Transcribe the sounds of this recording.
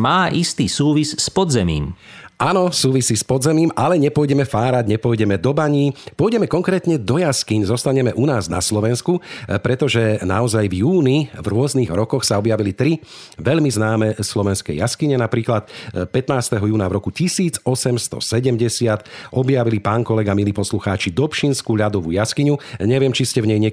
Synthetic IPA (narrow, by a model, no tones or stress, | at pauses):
maːʔist̪iːsuːʋisspɔd̪zɛmḭːm | ʔanɔsuːʋisiːspɔd̪zɛmiːmalɛɲɛpɔjɟɛmɛfaːɾaɟɲɛpɔjɟɛmɛd̪ɔbaɲiːpɔjɟɛmɛkɔŋkɾɛːt̪ɲɛd̪ɔjaskiɲzɔst̪aɲɛmɛʔunaːzna̰slɔʋɛnskupɾɛt̪ɔʒɛnaɔzajvjuːnivɾʊɔzniːɣɾɔkɔxsaɔbjaʋilit̪ɾi | ʋɛʎmiznaːmɛslɔʋɛnskɛ̰jaskiɲɛnapɾiːklat̪pɛt̪naːst̪ɛɦɔjuːnavɾɔkucisiːd͡zɔsɛmst̪ɔ̰sɛɟɛmɟɛsɪat̪ʔɔbjaʋilipaːŋkɔlɛɡamiliːpɔsluxaːt͡ʃid̪ɔpʃinskuʎad̪ɔʋṵjaskiɲuɲɛʋɪɛmt͡ʃiscɛvɲɛjɲɛ